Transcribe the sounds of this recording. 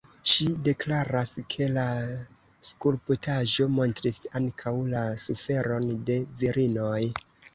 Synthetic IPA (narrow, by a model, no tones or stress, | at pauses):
ʃide̞klaɾaskʰe̞la | skulputʰaʒo̞mo̞ntɾisaŋkʰawlasufe̞ɾo̞nde̞viɾino̞j